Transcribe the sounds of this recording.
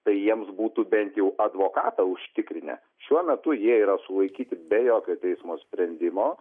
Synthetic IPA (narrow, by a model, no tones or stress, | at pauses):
t̪ɐɪjiɛmsbuːt̪ubʲɛnʲt̪jɛʊʔɐd̪ʋoːkɑːt̪ɐʊʃʲt̪ʲɪkɾʲɪnʲɛ̰ | ʃʲuɔmʲɛt̪ʊjiɛiːɾɐsʊlˠɐɪkʲiːt̪ʲɪbʲɛjoːkʲoːt̪ʲɛɪsmoːsʲpʲɾʲɛnʲd̪ʲɪmoː